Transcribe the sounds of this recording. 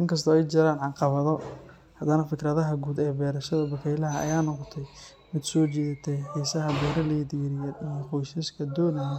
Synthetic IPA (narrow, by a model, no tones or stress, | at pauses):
ʔɪŋkʰɐs̬t̪ʰɔɛjt͡ʃɐɾaːnʕɑqɑβɐðɔ | hɐd̪ɐnɐfɪkɾɐðɐɦɐɡuːd̪ɛːbɛːɾɐʃɐðɐbɐkʰɛjlɐɦɐɐ̰jaːnɔqɔt̪ʰɛj | mɪd̪sɔːt͡ʃiːðɐt̪ʰɛħɛːsɐɦɐbɛːɾɐlɛjd̪iːɾɪjɐijɔqujʃɐskʰɐd̪ɔːnɐj